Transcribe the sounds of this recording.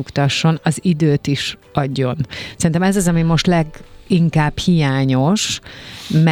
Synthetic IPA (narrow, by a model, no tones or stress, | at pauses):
ukt̪ɒʃːo̞nɒzid̪øːt̪iʃɒɟːo̞nsɛrint̪ɛmɛzɒzɒmimo̞ʃt̪lɛɡiŋkaːbhijaːɲo̞ʃ | m